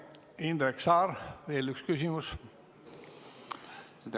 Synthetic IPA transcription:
ind̪ɾeksɑːɾʋeːlykskysimus

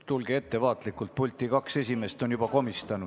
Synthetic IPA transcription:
t̪ulɡ̥ee̞t̪ːe̞vɑːt̪likːˑult̪̚pulʲt̪ˑːikɑkse̞sʲime̞st̪o̞njub̥ɑko̞mist̪ɑnu

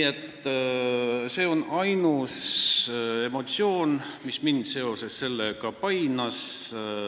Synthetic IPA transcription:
et̪ːˑ | se̞ːo̞nɑjnus | e̞mo̞t̪sio̞ːnmismind̪se̞o̞se̞sse̞lːeɡ̥ɑpɑjnɑs

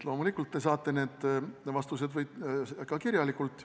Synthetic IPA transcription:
lo̞ːmulikːˑult̪ːe̞s̬ɑːt̪ːˑe̞ne̞ːd̪̥vɑst̪use̞d̪vɤjd̪̥kɑkirjɑlikːˑult̪ˑː

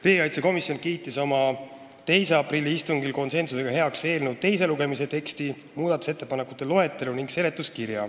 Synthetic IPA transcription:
reːɡiɑjt̪seko̞misjo̞nkiːt̪ːˑiso̞mɑ | t̪e̞jse̞ɑprilːiist̪uŋɡ̥ilko̞nse̞nsuse̞ɡ̥ɑɦe̞ɑkse̞ːlnut̪̚t̪ːe̞js̬e̞luɡe̞mis̬e̞t̪e̞kst̪imuːd̪ɑt̪ːˑu̥se̞t̪ːe̞pɑne̞kːˑu̥t̪ːˑe̞lo̞ɦe̞t̪ːˑeluniŋɡse̞le̞t̪ːˑuskirjɑ̰

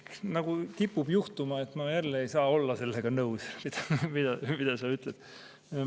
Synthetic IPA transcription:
nɑɡ̥ut̪ipːub̥juht̪umɑe̞t̪ːˑmɑjælːeejsɑːo̞lːɑse̞lːe̞ɡ̥ɑnɤwsmid̪̥ɑmid̪̥ɑmid̪̥ɑsɑyt̪ˑled̪̥

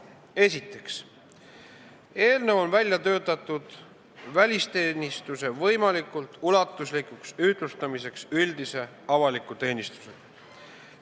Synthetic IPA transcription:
e̞sit̪ːˑe̞ks | e̞ːlnevonvælʲjɑt̪ø̞ːt̪ˑɑt̪ˑːud̪̥ | vælʲist̪e̞ːnʲist̪use̞vɤjmɑlikˑult̪ˑulɑt̪ːˑuslikˑuksyht̪lust̪ɑmise̞ksyld̪̥ise̞ | ɑvɑlikːˑut̪e̞ːnist̪u̥se̥

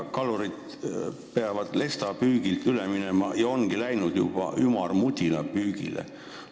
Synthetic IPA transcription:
kɑluɾid̪ | peɑvɑd̪̥le̞st̪ɑpyːɡ̥ilt̪yleminemɑjɑo̞ŋɡ̥ilæjnud̪̥jub̥ɑ̰ʔymɑrmud̪ʲilɑ̰pyːɡ̥ḭlḛ

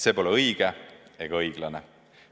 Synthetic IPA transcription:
se̞ːpo̞leɤjɡ̥ee̞ɡ̥ɑɤjɡ̥lɑne

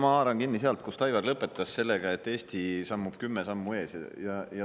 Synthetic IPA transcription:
mɑɑːɾɑŋkinːiseɑlt̪̚kust̪ɑjɡɑrlɤpːˑe̞t̪ːˑɑsse̞lːeɡ̥ɑe̞t̪ːˑe̞ːst̪ʰisɑmːub̥kymːesɑmːue̞ːsjɑjɑjɑ

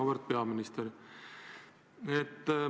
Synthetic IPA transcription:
aʋəɾt̪̚pjaːmɪnɪst̪əɾ | t̪

